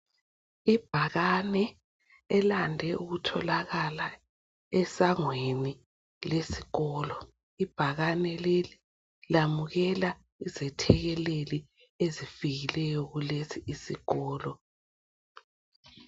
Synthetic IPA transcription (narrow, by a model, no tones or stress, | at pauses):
ib̥ʱaɣanɛ | ɛlandʱɛʔuɣutʰɔlaɣala | ɛsaŋweni | lesi̥ɣɔːlɔ | ib̥ʱaɣanɛleli | lamuɣɛla | izɛtʰɛɣɛleli | ezifiɣilɛjɔɣulesiʔisiɣɔːlɔ